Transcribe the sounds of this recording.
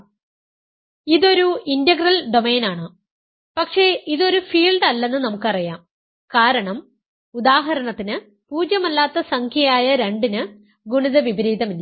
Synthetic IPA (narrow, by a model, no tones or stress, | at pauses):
iðo̞ɾuindɐɡrɐlɖo̞me̞ːnaːɳɨ | pɐkʂe̞iðo̞ɾufiːlɖɐlːe̞nːɨnɐmukːɨɐrijaːm | kaːɾɐɳɐm | ud̪aːɦɐɾɐɳɐt̪ːinɨ | puːd͡ʑjɐmɐlːaːt̪ːɐsɐŋkʰjɐjaːjɐɾe̞ɳɖinɨ | ɡuɳiðɐʋibɾiːd̪ɐmilːɐ